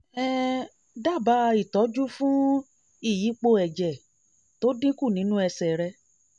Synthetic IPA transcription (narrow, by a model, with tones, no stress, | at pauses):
ɛ˦ | da˦˨ba˧˦˧i˦˨tɔ˨˦d͡ʒu˦fũ˦ | i˦˨ji˨˦k͡po˧ɛ˨d͡ʒɛ˨ | to˦dĩ˦ku˦˨nĩ˨˦nũ˦ɛ˧sɛ˨ɾɛ˧